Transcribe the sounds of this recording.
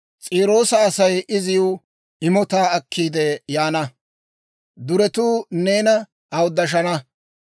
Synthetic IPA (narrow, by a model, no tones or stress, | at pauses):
t͡sʼiːɾo̞ːsɐːsɐjʔɪzɪju | ɪmɔt̪aːɐkʰːiːd̪ɛjaːnɐ | d̪ʊɾɛt̪uːne̞ːnɐ | ɐwʊd̪ːɐʃ̬ɐnɐ